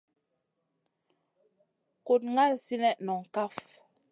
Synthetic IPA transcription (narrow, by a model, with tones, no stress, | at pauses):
ko˨t̚ŋa˦˨lsi˦nɛ˦ʔnɔ˨ŋ̩˨ka˦f